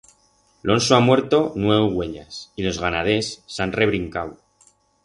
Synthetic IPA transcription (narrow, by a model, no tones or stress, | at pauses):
lʔo̞nsoamwe̞ɾt̪o̞nwe̞uɣwe̞ʎa̰silo̞zɣanað̞e̞sːanre̞β̞ɾiŋkaw